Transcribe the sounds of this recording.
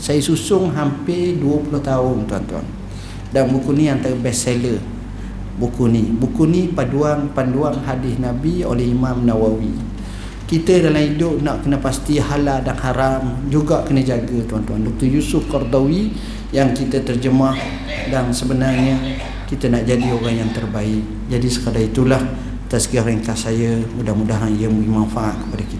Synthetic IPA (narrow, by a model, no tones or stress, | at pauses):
sajəsusʊŋɦampeduəpulʊht̪aʊnt̪uant̪ua̰n | danbukunĩant̪aɾəbɛselə | bukunibukunipaduaŋpanduaŋɦadɪhnabio̰lɛhimamnawawi | kit̪ədalamidʊʔ̚naʔkənəpast̪ihaladanhaɾamd͡ʒuɡaʔkənəd͡ʒaɡət̪uant̪uandɔk̚t̪ərjusʊfkɔrd̪owi | jaŋkit̪ət̪ərd͡ʒəmah | dansəbənarɲə | kit̪ənaʔd͡ʒadioɾaŋjaŋt̪ərbaɪʔ̚ | d͡ʒadisə̥kadait̪ulah | t̪askiaɾɛŋkasajəmudahmudaɦanijəmuɡimanfaʔat̪̚kə̥padakit̪